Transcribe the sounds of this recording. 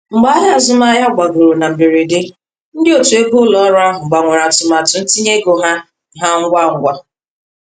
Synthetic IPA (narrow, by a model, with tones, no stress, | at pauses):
ŋ͡m̩˨ɡ͡ba˦ɦa˦a˨zʊ˦ma˦ja˦˨ɡ͡bʷa˨ɡo˨ɾo˨na˨m̩˨bi˨ɾi˨dɪ˦ | n̩˦dɪ˦o˨tu˨e˦bʊ˦lɔ˦ɾʊ˦a˦ɦʊ˨ŋ͡m̩˨ɡ͡ba˨ŋʷʊ˨ɾa˨tʊ˨ma˨tʊ˨n̩˦ti˦ɲe˦ɡo˨ɦa˦˨ | ɦa˦ŋ̩˦ɡʷa˦˨ŋ̩˦ɡʷa˦